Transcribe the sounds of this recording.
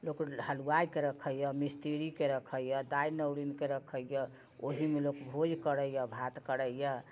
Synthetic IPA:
lokhəluajkeɾəkʰəjəmist̪eɾikeɾəkʰəjjəd̪ainəwlinkeɾəkʰəjə | oɦimelokbʱod͡ʒkəɽəjjəbʱat̪kəɾəjjə

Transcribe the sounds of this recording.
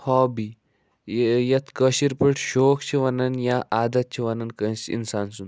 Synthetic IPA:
hɔbi | jɐt̪ʰkəɕiɾpəʈʰɕokt͡ɕʰiʋɐnɐnjaʔad̪ɐt̪̚t͡ɕʰiʋɐnɐnkəjsḭnsansun

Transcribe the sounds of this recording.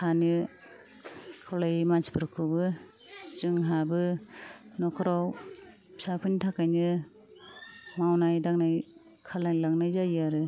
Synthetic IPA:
hanɯ | kʰɔlajmaspɯɾɯkʰɯbɯ | zɯŋɦabɯ | nɔkʰɯɾaw | sapʰɯnitʰakajnɯ | mawnajdaŋnaj | kʰalajlaŋnajzajaɾɯ

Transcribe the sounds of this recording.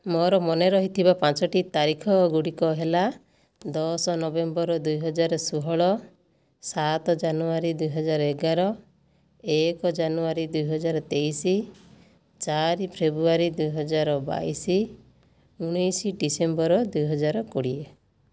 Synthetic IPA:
mɔɾɔmɔneɾɔɦit̪ʰibapãt͡ʃɔʈit̪aɾikʰɔɡuɽikɔɦela | d̪ɔsɔnɔbembɔɾɔd̪ujɦɔd͡ʒaɾɔsuɦɔɭɔ | sat̪ɔd͡ʒanuaɾid̪ujɦɔd͡ʒaɾɔeɡaɾɔ | ekɔd͡ʒanuaɾid̪ujɦɔd͡ʒaɾɔt̪ejsi | t͡ʃaɾipʰɾebɾuaɾid̪ujɦɔd͡ʒaɾɔba̰isi | uɽ̃ɔjsiɖisembɔɾɔd̪ujɦɔd͡ʒaɾɔkuɽie

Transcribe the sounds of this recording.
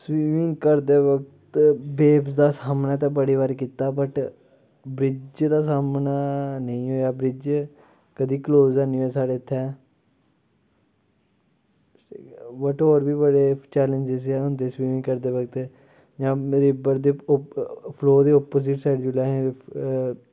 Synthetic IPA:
sʋiːmɪ̃ŋɡkəɾd̪eːʋəkt̪beːpsd̪aːsaːmnaːt̪̬ãbəɽiːʋaɾkiːt̪aːbəʈ | bɾɪd͡ʒd̪aːsaːmnaːnəĩːɦoːjaːbɾɪd͡ʒ | kəd̪iːkloːzɛːnĩːɛːsaːɽeːt̪ʰːɛː | bəʈoːɾbiːbəɽeːt͡ʃɛːləɲd͡ʒɪzɛːʊnd̪esbiːʋĩːkəɾd̪eːʋək̚t̪ | d͡ʒãːɾɪbəɾd̪eː | pʰloːd̪eːɔːpoːzɪʈsɛːɖd͡ʒulaːɦ

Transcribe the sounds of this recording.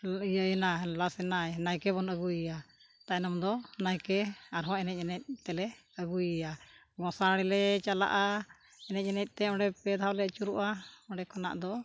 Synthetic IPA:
ijəjnalasɛnajnajkɛbɔnəɡuja | t̪aʔnɔmd̪ɔnajkɛaɾɦɔ̃ɛnɛc̚ɛnɛc̚ˀt̪ɛlɛ | əɡuja | ɡɔ̃saɽɛlɛt͡ʃala̰ʔa | ɛnɛc̚ɛnɛc̚ˀt̪ɛɔ̃ɖɛpɛd̪ʱɦawlɛt͡ʃuɾuʔaɔɖɛkɔna̰ʔd̪ɔ

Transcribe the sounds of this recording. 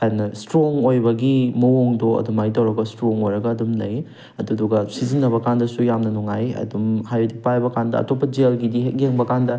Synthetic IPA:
kajnɐstɾoŋojbɐɡimɐwoŋdoɐ̰dumajtɐwɾɐɡɐstɾoŋojɾɐɡɐːdumlɐj | ɐduduɡɐsizinːɐβɐkandɐsujamnɐnuŋajɐ̰dumhajodipajbɐkandɐ̰ɐ̰topːɐd͡ʒelɡidiɦet̚jeŋbɐkandɐ

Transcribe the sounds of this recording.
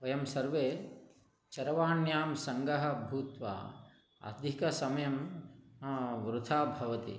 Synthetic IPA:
ʋɐjɐmsɐɾʋeː | t͡ʃɐɾɐʋaːnjaːmsɐŋɡɐɦɐ̆bʱuːt̪ʋa̰ː | ɐ̰d̪ʱikɐsɐmɐjɐm | ʋɾut̪ʰaːbʱɐʋɐt̪ḭ

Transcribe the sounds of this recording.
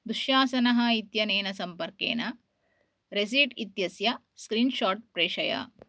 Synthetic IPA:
d̪uʃjaːsɐnɐɦɐ̆it̪jɐneːnɐsɐmpɐɾkḛːnɐ | ɾes̬iːɖit̪jɐsjɐ | skɾiːnʃaːʈ̚pɾeːʂɐjɐ̰

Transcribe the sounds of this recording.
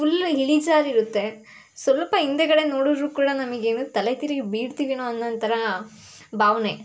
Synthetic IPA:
fulɦiɭid͡ʒaːɾiɾut̪ːe̞ | sʋɐlpɐɦind̪ekɐɽe̞no̞ːɽud̪ɾuːkuːɽɐnɐmɐɡe̞ːnut̪ɐlet̪iɾiɡebiːɽt̪iʋinoɐnːɐnt̪ɐɾɐ | bʱaːʋne̞

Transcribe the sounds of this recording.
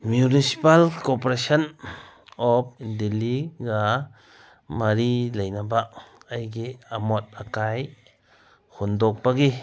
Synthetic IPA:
mjunisi̥palkɔpɾasɔn | ɔp̚indilːiɡa | maɾilejnabaʔajɡeamɔt̚akaj | hundok̚baɡi

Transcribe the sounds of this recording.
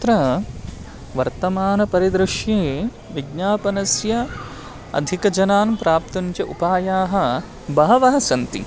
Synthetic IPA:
t̪ɾɐ | ʋɐɾt̪ɐmaːnɐpɐɾid̪ɾɪʂjeː | ʋiɡɲaːpɐnɐsjɐ | ɐ̰d̪ʱikɐd͡ʒɐnaːnpɾaːp̚t̪ɐnt͡ʃɐʔupaːjaːɦɐ̆ | bɐɦɐʋɐɦɐsɐnt̪ḭ

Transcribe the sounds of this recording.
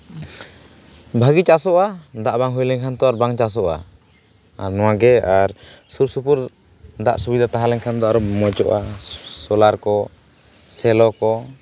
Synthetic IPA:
bʱaɡit͡ʃasɔʔad̪aʔbaŋɦujlɛɲkʰant̪ɔaɾbaŋt͡ʃas̬ɔʔa̰ | aɾnɔwaɡɛaɾsuɾsupuɾ | d̪aʔsubid̪at̪aɦalɛŋkʰand̪ɔaɾumɔt͡ʃɔʔasɔlaɾkɔ | sɛlɔkɔ

